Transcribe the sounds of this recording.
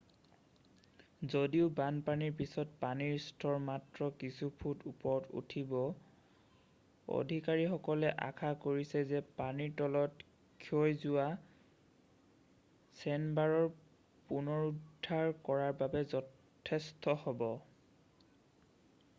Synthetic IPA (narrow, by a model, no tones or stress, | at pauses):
zodiʊbanpaniɹpisɔtpaniɹstʰɔɹmatɹɔkisupʰutupɔɹɔtṵtʰibɔ | o̰dʱikaɹixɔkɔlɛʔa̰kʰakoɹisɛzɛpaniɹtɔlɔt | kʰojzʊwa | sɛnbaɹɔɹ | punɔɹudʱːaɹkɔɹaɹbabɛzɔ | tʰɛstɔhɔbɔ